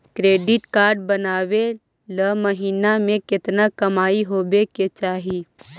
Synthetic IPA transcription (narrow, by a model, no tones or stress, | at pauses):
kɾeːɖɪʈkaːɾɖbɐnaːwe | ləmɐɦiːnamẽkɪt̪nakɐmaːiɦoːbeket͡ʃaːɦi